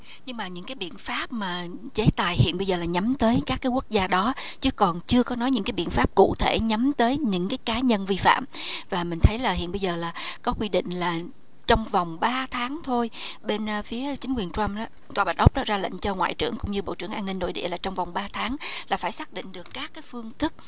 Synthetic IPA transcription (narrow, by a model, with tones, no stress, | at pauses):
ɲɨ˧ŋmaː˨˩ɲɨ̰˧˥ŋkaː˨˦jɓḭ˧˨ənfaː˦˥p̚maː˨˩t͡ɕe˨˦t̪aː˨˩jhḭ˧˨ənɓə˧jzəː˨˩laː˨˩ɲa˨˦mt̪əː˨˦jkaː˦˥kːaː˨˦jkwu˦˥k̚zaː˧ɗɔ˨˦ | t͡ɕɨ˨˦kɔ˨˩nt͡ɕɨ˧əkɔ˨˦nɔ˨˦jɲɨ̰˧˥ŋkaː˨˦jɓḭ˧˨ənfaː˦˥p̚kṵ˧˨t̪ʰe˧˩ɲa˨˦mt̪əː˨˦jɲɨ̰˧˥ŋkaː˨˦jkaː˨˦ɲə˧nvi˧fa̰ː˧˨mvaː˨˩mï˨˩ŋ̟t̪ʰə˨˦jlaː˨˩ɦḭ˧˨ənɓə˧jzəː˨˩laː˨˩kɔ˨˦kwi˧ɗḭ̈˧˨ŋ̟laː˨˩ | t͡ɕɔ˧wŋ͡mva˨˩wŋ͡mɓaː˧t̪ʰaː˨˦ŋt̪ʰo˧jɓe˧n˨fi˨˦ət͡ɕï˨˦ŋ̟kwi˨˩ənt͡ɕwa˧mɗaː˨˦ | t̪waː˨˩ɓa˨˩t̚ʔə˦˥k͡p̚ɗɔ˨˦˥zaː˧lə̰˧˨ŋ̟t͡ɕɔ˧ŋwa̰ː˧˨jt͡ɕɨ̰˧˩əŋkʊ̰˧˥ŋ͡mɲɨ˧ɓo̰˧˨t͡ɕɨ˧˩əŋʔaː˧nːi˧ŋ̟ːo̰˧˨jɗḭ˧˨laː˨˩t͡ɕɔ˧wŋ͡mva˨˩wŋ͡mɓaː˧t̪ʰaː˨˦ŋlaː˨˩faː˧˩jsaː˦˥k̚ɗḭ̈˧˨ŋ̟ɗɨ˨˩əkːaː˦˥kːaː˨˦jfɨ˧əŋt̪ɨ˦˥k̚